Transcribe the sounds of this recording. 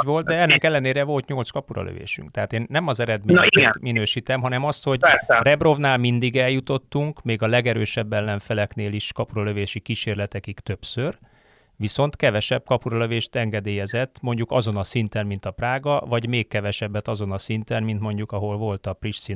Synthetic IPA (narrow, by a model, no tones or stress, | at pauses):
ʋo̞lt̪d̪ɛɛnːɛkɛlːɛneːɾɛvo̞lt̪ɲo̞lt̪skɒpuɾɒ̰lø̰vḛːʃy̰ŋkt̪ɛɦaːt̪eːnːɛmɒzɛɾɛd̪menminøːʃiːt̪ɛmɦɒnɛmɒst̪ho̞ɟrɛbro̞vnaːlmind̪iɡɛljut̪o̞t̪ːuŋkmeːɡɒlɛɡɛɾø̰ːʃɛbːɛlːɛɱfɛlɛkneːliʃkɒpuɾɒløveːʃikiːʃeːrlɛt̪ɛkikt̪ø̞psør | viso̞nt̪kɛvɛʃɛb̚kɒpuɾɒløveːʃt̪ɛŋɡɛd̪eːjɛzɛt̪ːmo̞ɲɟukɒzo̞nɒsint̪ɛnmint̪ɒpraːɡɒvɒɟmeːkkːɛvɛʃɛbːɛt̪ɒzo̞nɒsint̪ɛnmint̪mo̞ɲɟukɒɦo̞lvo̞lt̪ɒpriʃsi